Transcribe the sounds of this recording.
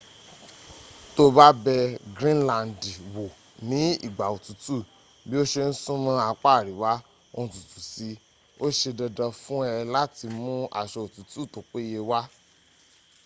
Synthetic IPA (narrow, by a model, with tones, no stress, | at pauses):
to˧ba˦bɛ˧ɡɾĩ˦nlã˨n˨di˨wo˨ | nĩ˨˦ḭ˦˨ɡ͡ba˨o˨tu˨tu˦˨ | bi˦o˦ʃe˧n̩˦sũ˦mã˦a˧k͡pa˦˨ɾi˨˦wa˦ | o˧˨tu˨tu˨si˧˦ | o˦ʃe˧dɔ˧dɔ̃˧fũ˦ɛ˧la˦ti˧mũ˦a̰˨ʃɔ˧o˨tu˨tu˦˨to˨k͡pe˦je˧wa˦